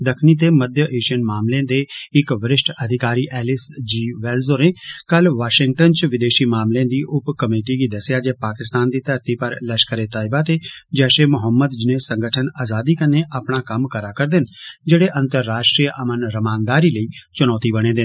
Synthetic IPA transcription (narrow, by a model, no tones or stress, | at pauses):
d̪əkʰniːt̪eːməd̪jəʔeːʃiənmaːmlẽd̪eːɪkʋəɾɪsʈʰəd̪ʱɪkaːɾiːʔɛːlɪsd͡ʒiːʋɛːlzoːɾẽːkəlʋaːʃɪŋɡ̚ʈənt͡ʃʋɪd̪eːʃiːmaːmleãːd̪iːʔʊpkəmeːʈiːɡiːd̪əsjaːd͡ʒeːpaːkɪst̪aːnd̪iːt̪əɾt̪iːpəɾləʃkəɾeːt̪aːɪbaːt̪eːd͡ʒɛːʃeːmʊɦəmːəd̪d͡ʒɪnẽːsə̃ŋɡəʈʰənaːzaːd̪iːkəneːʔapɳaːkəmkəɾaːkəɾd̪ɪnd͡ʒeːɽeːʔə̃nt̪əɾːaːʃʈɾijʔəmənɾəmaːnd̪aːɾiːləiːt͡ʃʊnɔːt̪iːbəɽ̃ẽːd̪ɪn